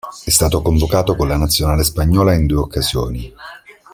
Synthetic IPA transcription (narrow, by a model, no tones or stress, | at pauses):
ɛst̪aːt̪okoɱvokaːt̪okonlanat̪sːjonaːlespaɲːɔːlaind̪uːeokːazjɔːni